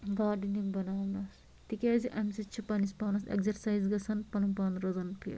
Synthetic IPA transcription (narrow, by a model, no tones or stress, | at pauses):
ɡaːɖinimbɐnaːmnɐs | t̪ikʲeːziʔɐmsɐt͡ʃʰipɐnispaːnɐsḛkzɐɾsaːjzɡɐsɐnpɐnɐmpaːnɾɐzɐnpʰḭ